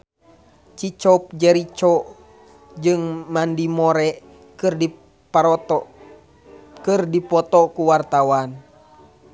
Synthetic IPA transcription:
t͡ʃit͡ʃɔp̚d͡ʒɛɾit͡ʃɔʔ | d͡ʒɨŋmandimɔɾɛʔ | kɨri | paɾt̪ | kɨrdipɔt̪ɔkuwart̪awan

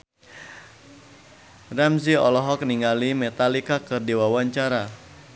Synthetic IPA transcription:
rɛmsiɔ̰lɔɦɔk̚niŋalimet̪alikakɨrdiwawaɲt͡ʃaɾa

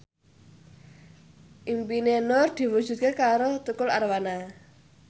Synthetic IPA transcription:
ʔimpinenɔrd̪̥i̤wud̥ʒ̥ṳt̪̚kekaɾot̪ukʊlarwana

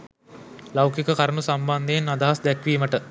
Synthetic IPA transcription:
lawkikəkaɾəmusamband̪eːnːad̪aɦasd̪ɛkʋiːməʈə

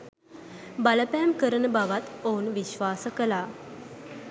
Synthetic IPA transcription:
baləpɛːmkəɾənəbaʋat̪ounʋiʃʋaːsəkəlaː

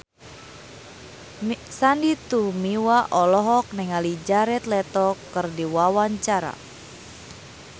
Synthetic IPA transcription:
sandit̪umiwaʔɔlɔɦɔk̚nɛŋalid͡ʒaɾɛt̪lɛt̪ɔkɨrdiwawaɲt͡ʃaɾa̰

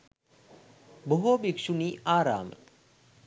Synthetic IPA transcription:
boɦobikʃuniːʔaːɾa̰ːmə̰

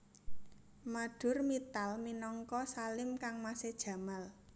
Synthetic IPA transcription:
maɖ̥ʊ̤rmit̪alminɔŋkɔsalɪmkaŋmased̥ʒ̥ä̤mal

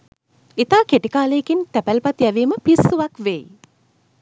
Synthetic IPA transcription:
it̪aːkeʈikaːleekint̪æpælpat̪jæʋiːməpisːuʋakʋej

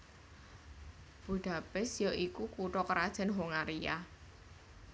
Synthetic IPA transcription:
b̥ṳɖ̥a̤pɪsjɔʔikukuɾɔkəɾad̥ʒ̥a̤nɦoŋaɾia̰

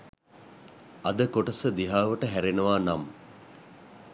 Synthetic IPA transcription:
ɐd̪əkoʈəsəd̪iɦaːʋəʈəɦæɾenəʋaːnam

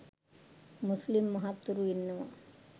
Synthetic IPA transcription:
muslimːɐɦat̪ːuɾuinːɐʋa̰

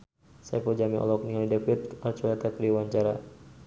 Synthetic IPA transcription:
saapɔd͡ʒamiʔɔ̰lɔk̚niŋalidɛpit̪art͡ʃɔlat̪akəɾiwaɲt͡ʃaɾa

